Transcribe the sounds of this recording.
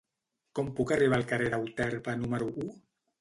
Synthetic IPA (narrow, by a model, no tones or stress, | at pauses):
kɔmpukariβ̞aːlˠkareɾawt̪ɛɾpanuməɾuʔu